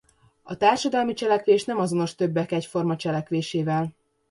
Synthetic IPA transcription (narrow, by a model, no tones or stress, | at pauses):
ɒt̪aːrʃɒd̪ɒlmit͡ʃɛlɛkʋeːʃnɛmɒzo̞no̞ʃt̪øbːɛkɛcfo̞rmɒt͡ʃɛlɛkʋeːʃeːvɛl